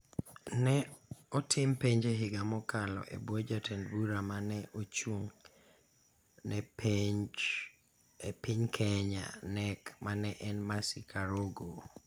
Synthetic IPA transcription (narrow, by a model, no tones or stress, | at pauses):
nɛɔtʰɪmpeɲd͡ʒeɦɪɡamɔkalɔ̰ʔḛbwod͡ʒatʰenbuɾamanɛʔot͡ʃuŋ | nɛ | epɪɲkʰɛɲa̰nɛkmanɛʔɛnmasikʰaɾoɡo